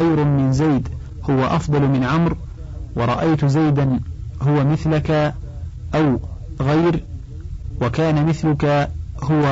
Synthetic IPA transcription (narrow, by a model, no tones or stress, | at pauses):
ajɾʊmɪnzajd̪ | hʊwaʔɑfd̪ˤɑlmɪnʕamɾ | wɑɾˤɑʔajt̪zajd̪anɦʊwamɪθlaka | ʔaw | ɣajɾ | wakaːnamɪθlʊkahʊwa